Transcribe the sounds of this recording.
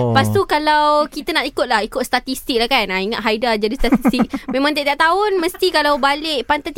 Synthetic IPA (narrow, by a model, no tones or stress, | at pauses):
past̪ukalawkit̪anaʔ̪ikʊt̪̚lahikʊt̪̚st̪at̪ist̪ik̚lahkanaiŋat̪̚ɦajdad͡ʒadist̪at̪ist̪ik̚mẽmãŋt̪idaʔ̚t̪aʊnmə̃st̪ikalawbaleʔpant̪at̪